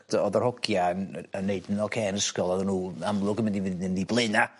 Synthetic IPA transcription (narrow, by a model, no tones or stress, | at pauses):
dɔðərhɔkjanənːeɨdnɔkʰeːnəskɔlˠɔðənuːamlˠʊɡəmɪndivdɪndiblˠɪna